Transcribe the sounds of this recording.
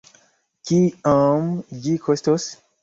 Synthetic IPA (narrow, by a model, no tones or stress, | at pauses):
kiãmd͡ʒikʰost̪os